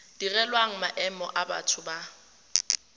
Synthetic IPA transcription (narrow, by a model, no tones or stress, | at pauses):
d̥irɛlwaŋ̩maʔɛmɔ̰ʔaba̰tʰʊba